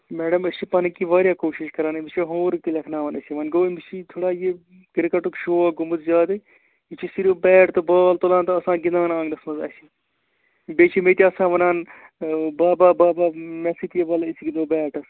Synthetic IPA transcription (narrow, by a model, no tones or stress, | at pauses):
mɛːɖɐmɐʃipɐnɐkiːʋaːɾʲjaːkoːʃiʃkɐɾaːnɨmiʃiɦoːɾɨk̚t̪ilʲɐkʰnaːʋɐnɐsiʋɐnɡoːmiʃit̪ʰoːɽaːje | ɡiɾkɐʈukʃoːaːɡumɨt̪zjaːd̪ɨ | it͡ʃʰisiɾibɛːʈt̪ɨbaːlt̪olãːnt̪ɐɐsãːɡinaːnãːŋɡnɐsmɐzɐ̰si | bet͡ʃʰimet̪ʲiɐsãːʋɐnãːn | baːbaːbaːbaːmɐsit̪ijebɐlisiɡid̪oːbɛːʈɐs